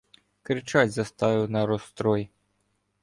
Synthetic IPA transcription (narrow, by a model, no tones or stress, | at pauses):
kɾɨt͡ʂat͡sʲzɐst̪avuwnɐɾɔst̪ɾɔj